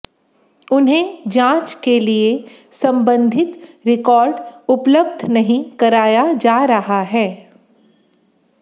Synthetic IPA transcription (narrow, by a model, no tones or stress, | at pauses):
ʊnɦẽd͡ʒãːt͡ʃkeliesɐ̃mbə̃nd̪ʱɪt̪ɾɪkɔːɾɖʊpləbd̪ʱnɐɦĩkɐɾaːjad͡ʒaːɾɐɦaɦɛː